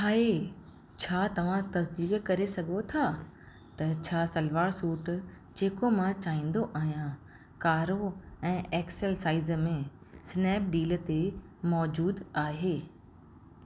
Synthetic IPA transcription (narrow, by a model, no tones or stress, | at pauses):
haːe | t͡ɕʰaːt̪ɐʋ̤ãt̪ɐsd̪iːkkɐɾesɐɡʱot̪ʰaː | t̪ɐt͡ɕʰaːsɐlʋaːɽsuːʈ | d͡ʑeːkomãt͡ɕaːɦĩːn̆d̪oʔaːɦijã | kaːɾoɛ̃ːeːksəlsaːɪzmẽsnɛːp̚ɖiːlt̪e | mɔːd͡ʑuːd̪aːɦeː